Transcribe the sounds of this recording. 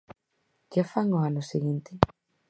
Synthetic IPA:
kafaŋoanʊsiɣint̪ɪ

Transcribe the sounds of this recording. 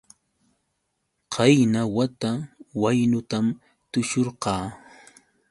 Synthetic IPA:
qʰɑjnawat̪awajnʊt̪am | t̪ʊʃoɾqɑː

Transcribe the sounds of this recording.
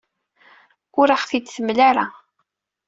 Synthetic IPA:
ʊɾaχθit͡sːθəmːlaɾa

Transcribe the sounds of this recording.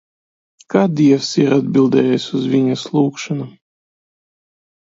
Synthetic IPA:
kad̪ʲiɛfsiɾad̪̚bʲilˠd̪ɛjɛjsʲuzvʲinʲaslˠuːkʃanu

